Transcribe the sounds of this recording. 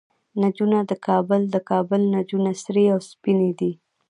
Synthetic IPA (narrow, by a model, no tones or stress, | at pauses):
nad͡ʒunad̪əkʰɑbəld̪əkɑbəlnad͡ʒunasɾeawspined̪i